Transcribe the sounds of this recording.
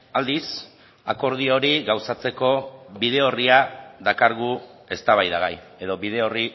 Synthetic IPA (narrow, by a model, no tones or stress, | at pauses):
ald̪is | ako̞ɾð̞io̞ɾiɣawsat͡se̞ko̞βið̞e̞o̞riaðakaɾɣue̞st̪aβajðaɣaj | e̞ðo̞βið̞e̞o̞ri